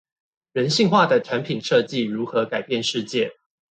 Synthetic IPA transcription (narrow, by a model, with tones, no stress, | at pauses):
ɻə˧˦nɕi˥˧ŋxwa˥˩d̪ə˩ʈ͡ʂʰa˨˦˥npʰi˨˩nʂɤ˥˧t͡ɕi˥˨ɻu˨˥xɤ˨˦ka˨˩ɪpjɛ˥˨nʂɻ̩˥˧t͡ɕjɛ˥˨